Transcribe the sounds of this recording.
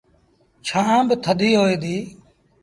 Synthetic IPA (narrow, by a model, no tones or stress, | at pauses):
t͡ʃʰãːbət̪ʰəd̪iːɦoːeːd̪iː